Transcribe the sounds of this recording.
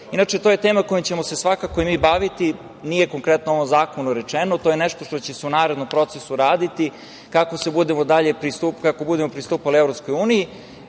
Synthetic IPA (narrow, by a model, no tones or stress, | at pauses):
inat͡ʃe̞t̪oje̞t̪e̞ːmako̞jimt͡ɕe̞mose̞sʋakakojimiːbaʋit̪i | nijeko̞ŋkɾet̪noo̞ʋo̞mzaːko̞nuɾet͡ʃenot̪ojeneʃt̪o̞ʃt̪ot͡ɕeseunaːɾed̪no̞mpɾo̞t̪sesuɾaːd̪it̪i | kako̞se̞bud̪emod̪aʎe̞pɾist̪upkakobud̪emo̞pɾist̪uːpalievɾo̞psko̞juːniji